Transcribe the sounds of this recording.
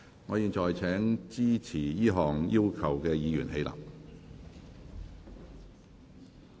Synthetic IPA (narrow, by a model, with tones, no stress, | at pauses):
ŋɔː˨˧jiː˧nt͡ʃɔː˨jt͡sʰɛː˨˥ŋt͡siː˥t͡sʰiː˨˩jiː˥ɦɔː˨˩ŋjiː˥wkʰɐ˨˩wkɛː˧jiː˨˧jy˨˩nhe˨˧jla̰ː˨˩p